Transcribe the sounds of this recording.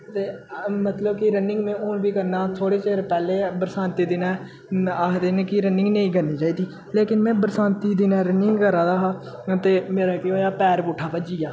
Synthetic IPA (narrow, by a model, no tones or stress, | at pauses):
t̪eːmət̪ləb̚kɪɾənɪ̃ŋɡmɛ̃ːʔoːnʋiːkəɾnaːt̪ʰoːɽeːt͡ʃeːɾpɛːleːbəɾsãːnt̪iːd̪ɪnɛː | aːd̪eːnekɪɾənɪ̃ŋɡnẽĩːɡəniːt͡ʃaːiːd̪iː | leːkɪnmɛ̃ːbəɾsaːnt̪iːd̪ɪnɛːɾənɪŋɡkəɾaːd̪aːɦaː | t̪eːmeːɾaːkeɦoːjaːpɛːɾpuːʈʰːaːpəd͡ʒiːaː